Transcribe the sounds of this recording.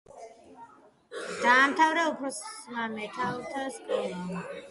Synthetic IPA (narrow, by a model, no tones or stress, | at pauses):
d̪̥aːmt̪ʰavɾɛupʰɾɔsmamɛt̪ʰaut̪ʰaskʼɛɾi